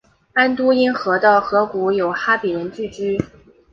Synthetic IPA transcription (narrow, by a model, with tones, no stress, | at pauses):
a˥nt̪u˥i˥ŋxɤ˧˥t̪ɑ˥˩ʊxɤ˧˥ku˧˥jo˨˩ʊxa˥pi˨˩ɻə˧˥nt͡ɕy˥˩t͡ɕy˥